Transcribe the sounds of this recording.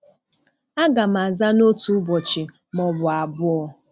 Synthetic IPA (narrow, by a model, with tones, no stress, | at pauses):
a˦ɡa˨m̩˨a˨za˦no˦tu˨˦bɔ˨t͡ʃɪ˨ | mɔ˨bʊ˨a˨bʊ˦ɔ˦